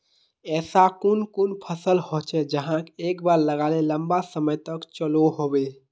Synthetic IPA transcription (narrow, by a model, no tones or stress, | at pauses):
ɛːsakʊnkʊnpʰəsəlhoːt͡ʃʰed͡ʒəɦãkeːkbaːɾləɡaːleləmbasəməjt̪əkt͡ʃəloɦoːbe